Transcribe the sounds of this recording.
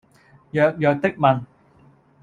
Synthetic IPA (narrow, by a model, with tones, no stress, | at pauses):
jœː˨k̚jœː˨k̚t̪ɪ˥k̚mɐ˨n